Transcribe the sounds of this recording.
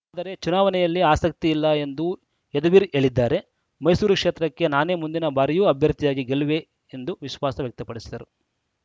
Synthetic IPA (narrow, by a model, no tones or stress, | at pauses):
aːd̪ɐɾe̞t͡ʃunaːʋɐnɛjɐlːiaːsɐk̚t̪iːlːɐe̞nd̪u | ɛd̪ɐʋiːɾe̞ːɭid̪ːaːɾe̞ | mɐjsuːɾukʂeːt̪ɾɐkːe̞naːne̞ːmund̪inɐbaːɾɛjuːɐbʱjɐɾt̪ijaːɡiɡeluʋe̞ | end̪uʋiʃʋaːsɐʋjɐk̚t̪ɐpɐɽisid̪ɐɾu